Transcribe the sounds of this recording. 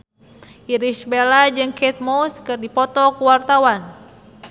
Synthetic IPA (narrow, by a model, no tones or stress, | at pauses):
ʔiɾiʃbelad͡ʒɨŋkɛt̪̚moskɨrdipɔt̪ɔkuwart̪awan